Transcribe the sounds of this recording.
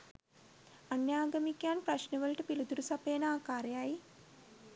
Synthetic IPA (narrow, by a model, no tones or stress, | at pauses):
anjaːɡamikjaːnpraʃnəʋəlʈəpilud̪uɾusapeːnaːkaːɾejaj